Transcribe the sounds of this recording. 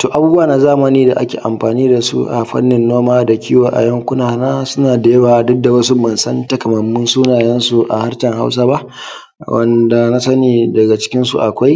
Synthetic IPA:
toː˨ʔa˨buː˦bu˦waː˨naː˨zaː˦mɐ˨niː˦da˨ʔa̰˦kʲḛː˨ʔa˨mɸaː˨niː˦da˨sṵ˦ʔa̰˨ɸɐ̰˦nːɪ˨nːoː˦maː˦da˨kʲiː˦woː˨ʔa̰˨jɐ˦ŋkʷʊ˦naː˨naː˦sʊ˦naː˨da˨jɐ˦baː˨dɔ˦k̚da˨wɐ˦su˦mɐ˨nsɐ˦nta˨kɐ˨mɐ˨mːʊ˦nsuː˦naː˨jɐ˦nsu˦ʔa̰˨ha˦rtɐ˨ŋha̰˦ws̬aː˦ba˦ʔ | wʔɐ̰˨nda˨na˦sɐ˦niː˨dɐ˨ɡa˨t͡ʃɪ̥˦kʲɪ˦nsu˨ʔa˨kʷa˦j

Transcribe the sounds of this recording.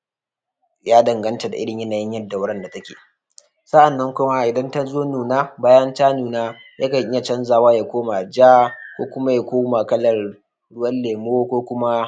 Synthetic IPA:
jaː˦dɐ˨ŋɡɐ˦nta˨da˨ʔɪ˦ɽɪ˨ɲjɐ˦naː˨jɪ˦ɲjɐ˦dːa˨wʊ˦ɽɐ˦nda˨tɐ˦kʲḛː˨ | sɐ˦ʔa˨nːɐ˦ŋkʷʊ˦ma˦ʔɪ˨dɐ˦nta˦zoː˦nuː˨naː˦baː˦jɐ˦ntaː˦nuː˨naː˦ | jʔa˦ka˨ŋʔɪ˦ja˨t͡ʃɐ˦nzaː˨waː˦jaː˨kʷoː˦ma˨d͡ʒaː˦kʷoː˦kʷʊ˦ma˦jaː˨kʷoː˦maː˨kɐ˦lɐ˨r | ɽʊ˦wɐ˦lleː˨m˦o˦kʷoː˦kʷʊ˦ma˦

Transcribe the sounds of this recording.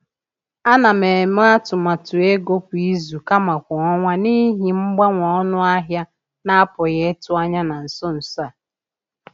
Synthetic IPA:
a˦na˨me˨m˦a˦tʊ˨ma˨tʊ˨e˦ɡo˦pʊ˨i˦zu˨ka˦ma˨kʷɔ˨ɔ˦ŋʷa˦ni˦ɦi˨ŋ͡m̩˦ɡ͡ba˦ŋʷɔ˨ɔ˦nʊ˦a˦ɦja˦ | na˦a˦pʊ˨ɣe˦tʊ˦a˦ɲa˦na˨n̩˨sɔ˦n̩˨sa˨

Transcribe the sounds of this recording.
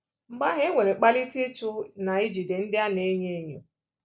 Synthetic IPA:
m̩˨ɡ͡ba˦ɦe˦e˦ŋʷe˨ɾe˨k͡pa˦li˦te˦t͡ʃʊ˦na˨i˦d͡ʒi˨de˨n̩˦dɪ˦a˦ne˦ɲe˦ɲo˨

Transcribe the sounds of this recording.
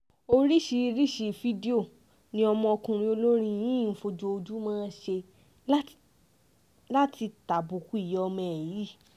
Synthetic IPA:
o˦˧ɾi˦ʃi˧ɾi˦ʃi˧fi˧˦di˦o˦˨ | nĩ˧˦ɔ˧mɔ̃˧o˧kũ˧ɾ̃ĩ˧o˧lo˦ɾ̃ĩ˧jĩ˦˨fo˧d͡ʒo˧o˧d͡ʒu˦mãː˦ʃe˧˦ | la˦ti˧ta˨bu˨ku˨˦i˦˨jɛ˨˦ɔ˧mɛ̃˨ji˨˦

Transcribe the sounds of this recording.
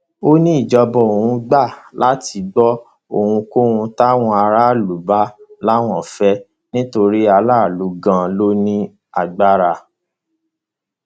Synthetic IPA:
o˦nĩ˦i˦˨d͡ʒɔ˧bɔ˨o˨wũ˧ɡ͡ba˦˨lʔa˦ti˧ɡ͡bɔ˦ | o˨hũ˧ko˦hũ˧ta˦w̃ɔ̃˧a˧ɾa˦˨lu˨˦ba˦la˦w̃ɔ̃˨fɛ˦ | nĩ˦to˧ɾi˦a˧la˦˨lu˨˦ɡã˦lo˦nĩ˦ | a˨ɡ͡ba˦ɾa˧

